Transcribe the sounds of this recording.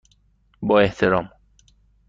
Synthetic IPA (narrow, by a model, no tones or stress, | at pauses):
bɒːeht̪ʰeɾɒːm